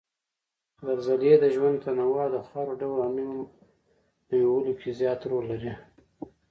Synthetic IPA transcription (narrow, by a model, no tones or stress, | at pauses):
d̪aɾzaljed̪əʒwand̪t̪anawɑd̪əxɑɾoɖawlamim | dəjowəlokʰezjɑt̪ɾoɾlaɾi